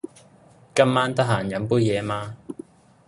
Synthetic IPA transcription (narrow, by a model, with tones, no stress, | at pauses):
kɐ˥mmaː˥nt̪ɐ˥ɦaː˨˩njɐ˨˥npuː˥jjɛː˨˧maː˧